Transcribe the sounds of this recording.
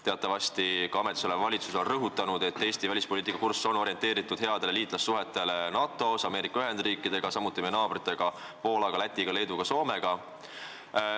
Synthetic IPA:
t̪e̞ɑt̪ːˑɑvɑst̪ikɑɑmet̪ːˑiso̞lemvɑlʲit̪suso̞nrɤɦut̪ːˑɑnud̪̥e̞t̪ːe̞ːst̪ivælispo̞liːt̪ikːɑkursːo̞no̞ɾje̞nt̪e̞ːɾit̪ːˑud̪̥he̞ɑd̪̥eleliːt̪lɑsːuɦe̞t̪ːˑe̞lenɑt̪ːˑo̞sɑme̞ːɾikːˑɑyɦe̞nd̪̥riːkːˑid̪̥e̞ɡ̥ɑsɑmut̪ˑːimeejenɑːb̥rit̪ːˑe̞ɡ̥ɑ | po̞ːlɑɡ̥ɑlæt̪ʲːˑiɡ̥ɑle̞jd̪uɡ̥ɑso̞ːme̞ɡ̥ɑ

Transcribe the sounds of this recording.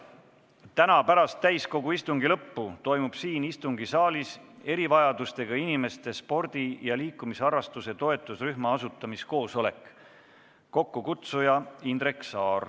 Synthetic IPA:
t̪ænɑpæɾɑst̪ːæjsko̞ɡuist̪uŋɡilɤpːut̪o̞jmub̥siːnist̪uŋɡisɑːlise̞ɾivɑjɑd̪̥ust̪e̞ɡ̥ɑinime̞st̪e̞spo̞rd̪̥ijɑliːkˑːumisɑɾɑst̪use̞t̪o̞e̞t̪ːˑusryɦmɑɑsut̪ːˑɑmisko̞ːso̞le̞kː | o̞kːukut̪sujɑind̪ɾeksɑːr

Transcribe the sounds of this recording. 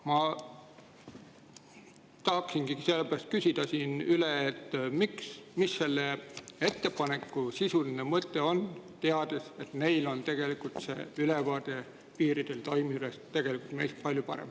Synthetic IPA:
mɑ | t̪ɑhɑksinɡ̥iɡise̞lːepærɑst̪̚kysid̪̥ɑsiːnyleet̪ːmiksmisːe̞lːee̞t̪ːe̞pɑne̞kːˑusisulinemɤt̪ːˑe̞o̞nt̪e̞ɑd̪̥e̞se̞t̪me̞jlo̞nt̪e̞ɡ̥e̞likult̪sḛːylevɑːd̪̥e̞ | piːɾid̪̥e̞lt̪o̞jmiylest̪e̞ɡ̥e̞likult̪me̞̰jst̪̚pɑlʲjupɑɾḛm

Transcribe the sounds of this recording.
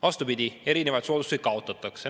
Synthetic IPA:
vɑst̪upid̪̥ie̞ɾinevɑjt̪suod̪used̪̥̚kɑo̞t̪ːˑɑt̪ːˑɑkse

